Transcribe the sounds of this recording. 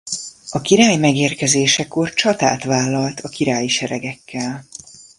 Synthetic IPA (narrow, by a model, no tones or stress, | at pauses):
ɒkiɾaːjmɛɡeːrkɛzeːʃɛko̞rt͡ʃɒt̪a̰ːt̪ʋaːlːɒlt̪ɒkiɾaːjiʃɛɾɛɡɛkːɛl